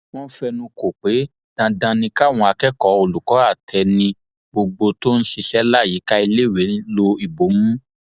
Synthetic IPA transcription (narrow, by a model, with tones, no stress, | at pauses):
w̃ɔ̃˦fɛ˧nũ˧ko˨k͡pe˨˦ | d̥ã˧dã˧nĩ˧ka˦˨w̃ɔ̃˧a˧kɛ˦kɔ˨˦o˧˨lu˨kɔ˨˦a˦˨tʰɛ˧nĩ˧ | ɡ͡bo˧ɡ͡bo˧to˦n̩˦ʃi˧ʃɛ˦la˦˨ji˨˦ka˦i˧le˦˨we˨˦ĩ˦lo˧i˨bo˨˦mũ˦